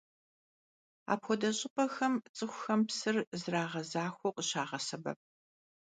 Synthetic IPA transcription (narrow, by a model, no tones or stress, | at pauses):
a̰ːpxʷɔdɐɕʼɪpʼɐxɐmt͡sʼɨxʷʊxɐmpsɨrzɨraːʁɐzaːxʷɔqʼəɕaːʁɐsɐbɐ̰p̚